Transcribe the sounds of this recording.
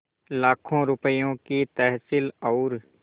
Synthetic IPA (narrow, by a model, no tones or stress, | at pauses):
laːkʰõɾʊpəjõkit̪ɛɦsɪlɔːɾ